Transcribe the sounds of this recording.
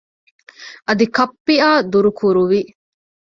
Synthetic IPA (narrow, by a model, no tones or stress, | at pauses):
ʔɐd̪ikɐpːiaːd̪uɾukʰuɾuʋi